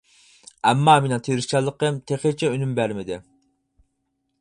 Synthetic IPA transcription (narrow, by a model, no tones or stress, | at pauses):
ɛmːɑːmenɨt̪ʰeɾɪst͡ʃɑlˠːəqəmt̪ʰeχet͡ʃʰɛynymbæɾmɪd̪ɪ